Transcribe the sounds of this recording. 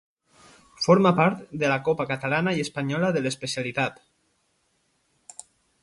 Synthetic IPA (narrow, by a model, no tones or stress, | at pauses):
fɔɾmapaɾt̪d̪əlakɔpakat̪alanaiəspaɲɔlaðələspesialit̪at̪